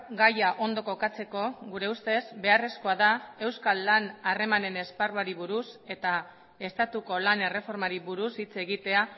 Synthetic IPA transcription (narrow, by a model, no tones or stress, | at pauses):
ɡajaʔo̞nd̪o̞ko̞kat͡se̞ko̞ɣuɾe̞ust̪e̞zbe̞are̞sko̞aðae̞wskalːanare̞mane̞ne̞sparuaɾiβuɾuse̞t̪a | e̞st̪at̪uko̞lane̞re̞fo̞ɾmaɾiβuɾusit͡se̞ɣit̪e̞a